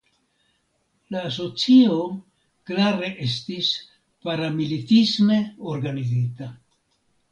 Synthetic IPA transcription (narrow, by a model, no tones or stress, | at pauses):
laːs̬o̞t͡sio̞ | klaɾe̞ʔe̞s̬tis | paɾamilitisme̞o̞ɾɡanizita